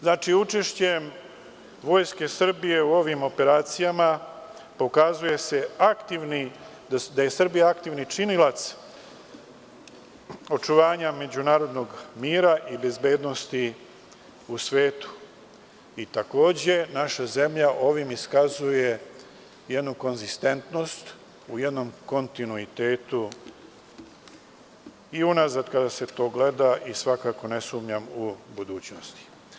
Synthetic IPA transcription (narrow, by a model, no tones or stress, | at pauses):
znaːt͡ʃiut͡ʃe̞ʃt͡ɕem | ʋo̞ːjske̞sr̩bije̞uo̞ʋimo̞pe̞ɾaːt̪sijama | po̞kazuje̞se̞akt̪iʋni | d̪d̪aje̞sr̩bijaakt̪iʋnit͡ʃinilat̪s | o̞t͡ʂuʋaːɲame̞d͡ʑunaːɾo̞d̪no̞ɡmiːɾaʔibe̞zbe̞ːd̪no̞st̪i | usʋeːt̪u̥ | it̪ako̞ːd͡ʑe̞naʃaze̞mʎaʔo̞ʋimiskazuje̞ | jed̪nuko̞nzist̪e̞nt̪no̞st̪ | uje̞d̪no̞mko̞nt̪inuit̪e̞ːt̪u | iunazad̪kad̪ase̞t̪o̞ːɡle̞d̪aʔisʋakaːko̞ne̞suːmɲamubud̪uːt͡ɕno̞st̪i̥